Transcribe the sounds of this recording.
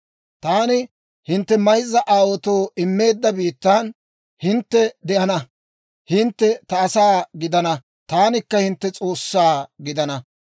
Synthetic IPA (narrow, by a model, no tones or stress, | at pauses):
t̪aːnɪ | hɪnt̪ːɛmɐjzːɐʔaːwɔt̪oːʔɪmːe̞ːd̪ːɐbiːt̪ːaːn | hɪnt̪ːɛd̪ɛʔɐnɐ | hɪnt̪ːɛt̪ɐːsaːɡɪd̪ɐnɐ | t̪aːnɪkːɐhɪnt̪ːɛt͡sʼo̞ːsːaːɡɪd̪ɐnɐ